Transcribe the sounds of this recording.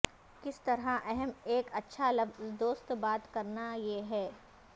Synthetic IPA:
kɪst̪ɐɾaʔɛɦɛmeːkɐtːʃʰalɐfzd̪oːst̪baːt̪kɐɾnajeɦɛː

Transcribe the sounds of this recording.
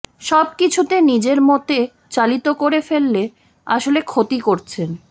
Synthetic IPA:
ʃɔb̚kit͡ɕʰut̪enid͡ʑeɾmot̪e | t͡ɕalit̪okoɾefelːe | aʃolekʰot̪ikoɾt͡ɕʰen

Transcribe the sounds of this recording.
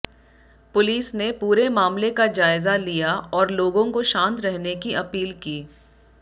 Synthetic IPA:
pʊliːsnepuːɾemaːmlekad͡ʒaːɪzalijaʔɔːɾloːɡõkoʃãːnt̪ɾɛɦnekiʔɐpiːlkiː

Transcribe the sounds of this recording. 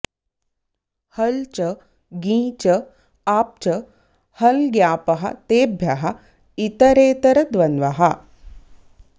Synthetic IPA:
hɐlt͡ʃɐ | ɡĩːt͡ʃɐ | aːp̚t͡ʃɐ | hɐlɡjaːpɐɦɐ̰t̪eːbʱjɐɦɐ̆ | it̪ɐɾeːt̪ɐɾɐd̪ʋɐnʋɐɦɐ

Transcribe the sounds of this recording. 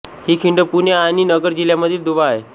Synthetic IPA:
hikʰiɳɖəpuneañinəɡəɾd͡ʑiljaməd̪ʱiːld̪uʋae

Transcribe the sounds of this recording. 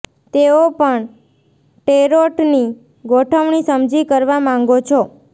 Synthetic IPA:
t̪eopəɳ | ʈeɾoʈni | ɡoʈʰəʋɳ̃isəmd͡ʒʱikəɾʋamãŋɡot͡ʃʰo

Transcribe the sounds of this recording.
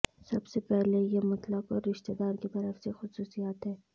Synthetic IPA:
sɐbsepɛɦlejemɐt̪ləkɔːɾːɪʃt̪ed̪aːɾkit̪ɐɾəfsexʊsuːsijaːt̪ɦɛː

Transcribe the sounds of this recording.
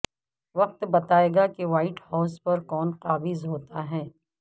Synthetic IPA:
ʋɐq̚t̪bɐt̪aːeːɡakeʋaːɪʈhaːspɐɾkɔːnqaːbɪzɦoːt̪aɦɛː

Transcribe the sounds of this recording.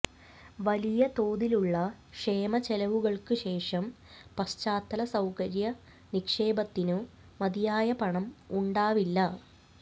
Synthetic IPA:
ʋɐlijɐt̪o̞ːðiluɭːɐ | ʂeːmɐt͡ɕelɐʋuɣɐɭkɨɕe̞ːʂɐm | pɐst͡ɕaːt̪ːɐlɐsɐwkɐɾjɐ | nikʂe̞ːbɐt̪ːinu | mɐd̪ijaːjɐpɐɳɐmuɳɖaːʋilːɐ

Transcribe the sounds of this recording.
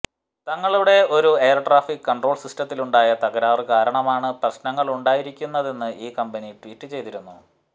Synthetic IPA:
t̪ɐŋːɐɭuɽe̞o̞ɾueːrʈraːfikɨkːɐɳɖro̞ːɭsisʈɐt̪ːiluɳɖaːjɐt̪ɐɣɐɾaːʋɐrkaːɾɐɳɐmaːɳɨprɐɕnɐŋːɐɭuɳɖaːjiɾikʲːunːɐðe̞nːɨʔiːkɐmbɐniʈʋiːtːɨt͡ɕe̞jt̪iɾunːu

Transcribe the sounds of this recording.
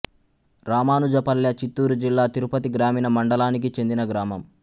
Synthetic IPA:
ɾaːmaːnud͡ʒɐpɐljɐt͡ʃit̪ːuːɾud͡ʒilːaːt̪iɾupɐt̪iɡɾaːmiːnɐmɐɳɖɐlaːnik̬it͡ʃe̞nd̪inɐɡɾaːmɐm

